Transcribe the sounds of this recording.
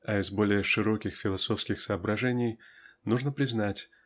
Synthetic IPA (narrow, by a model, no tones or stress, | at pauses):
ɐɪzbo̞lʲɪjəʂɨɾo̞kʲɪxfʲɪlˠɐso̞fskʲɪxsəːbɾɐʐɛnʲɪjnuʐnəpɾʲɪznatʲ